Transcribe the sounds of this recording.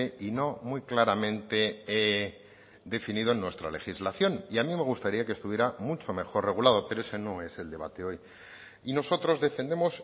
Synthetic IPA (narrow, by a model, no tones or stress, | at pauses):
eino̞mwujklaɾamẽ̞nt̪e̞ | d̪e̞finiðoenːwe̞st̪ɾale̞xizlaθjo̞niamime̞ɣ̞ust̪aɾiakest̪uβje̞ɾamut͡ʃo̞me̞xo̞rre̞ɣ̞ulaðo̞pe̞ɾoe̞se̞no̞e̞se̞ld̪e̞β̞at̪e̞o̞j | ino̞so̞t̪ɾo̞zðe̞fe̞nd̪e̞mo̞s